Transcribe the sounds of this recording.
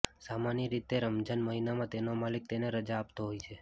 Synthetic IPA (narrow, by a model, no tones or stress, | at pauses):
samanjəɾit̪eɾəmd͡ʒənməɦinamãt̪enomalik̚t̪eneɾəd͡ʒaːp̚t̪oɦojt͡ʃʰe